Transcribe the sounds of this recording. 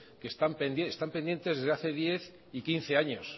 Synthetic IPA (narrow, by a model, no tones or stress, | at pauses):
kest̪ampend̪est̪ampend̪je̞nt̪ezðezðeaθe̞ðje̞θ | ikin̟θe̞aɲo̞s